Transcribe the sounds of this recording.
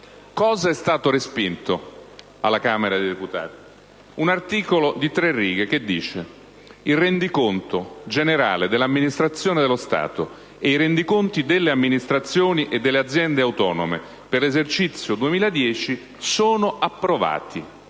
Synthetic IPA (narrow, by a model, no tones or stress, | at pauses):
kɔːzaɛst̪aːt̪oɾespint̪o | alːakaːmeɾad̪ejd̪eput̪a̰ːt̪i̥ | unart̪iːkolod̪it̪ɾerːiːɡek̟ed̪ːiːt͡ʃe | ilrend̪ikont̪od͡ʒeneɾa̰ːled̪elːamːinist̪ɾat̪sːjoːned̪elːost̪a̰ːt̪o̰ | eiɾend̪ikont̪id̪elːeamːinist̪ɾat̪sːjoːniʔed̪ːelːead̪zːjɛnd̪eawt̪ɔːnome | perlezert͡ʃit̪sːjod̪uemiːlad̪jɛːt͡ʃi | soːnoʔapːɾova̰ːt̪i